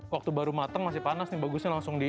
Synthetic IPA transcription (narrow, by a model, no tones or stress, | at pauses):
wak̚t̪ubaɾumat̪əŋmasɪhpanasnɪbaɡʊsɲalaŋsʊŋdi